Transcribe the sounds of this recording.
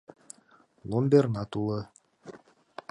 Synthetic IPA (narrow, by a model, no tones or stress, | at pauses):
lˠomʲbʲernat̪ulˠɤ